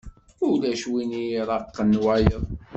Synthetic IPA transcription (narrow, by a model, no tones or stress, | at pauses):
ʊlæʃwinijɾˤɑqːənwæjəðˤ